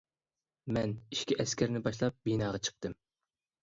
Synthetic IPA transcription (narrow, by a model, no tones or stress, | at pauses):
mɛniʃkʲiʔɛskʲæɾnɪbɑʃlˠɑp̚binɑːʁɑt͡ʃʰə̥q̚t̪ɨm